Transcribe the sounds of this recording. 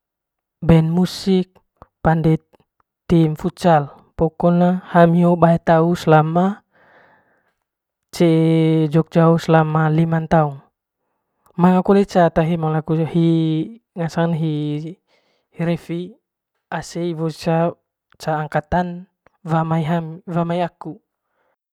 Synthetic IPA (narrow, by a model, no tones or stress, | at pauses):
bɛnmusik̚ | pandɛ | t̪imfut͡ʃal | pɔkɔnahamiobaɛt̪auslama | t͡ʃɛd͡ʒɔk̚d͡ʒauslamalimant̪aun | maŋakɔlet͡ʃat̪aɦimaŋlakuhi | ŋasanɦi | hiɾɛfi | aseivɔt͡ʃa | t͡ʃaːŋkat̪an | vamaiɦamvamaiaku